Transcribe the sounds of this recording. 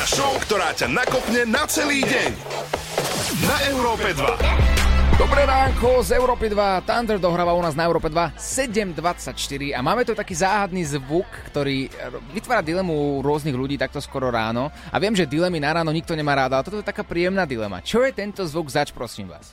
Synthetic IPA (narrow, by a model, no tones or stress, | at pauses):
aʃɔʊkt̪ɔɾaːcanakɔpɲɛnat͡sɛliːɟɛɲ | naʔɛʊɾɔːpɛd̪ʋa̰ | d̪ɔbɾɛɾaːŋkɔzɛʊɾɔːpid̪ʋat̪and̪ɛɾd̪ɔɦɾaːʋaunaːznaɛʊɾɔːpɛd̪ʋasɛɟɛmd̪ʋat͡sacʃt̪iɾiamaːmɛt̪ut̪akiːzaːɦad̪niːzʋukːt̪ɔɾiːʋit̪ʋaːɾad̪ilɛmuɾʊɔzniɣʎuɟiːt̪ak̚t̪ɔskɔɾɔɾa̰ːnɔa̰ʋɪɛmʒɛd̪ilɛminaɾaːnɔɲik̚t̪ɔɲɛmaːɾaːd̪alɛt̪ɔt̪ɔɛt̪akaːpɾiːjɛmnaːd̪ilɛ̰ma̰t͡ʃɔjɛt̪ɛnt̪ɔzʋuɡzat͡ʃpɾɔsḭːmʋa̰ːs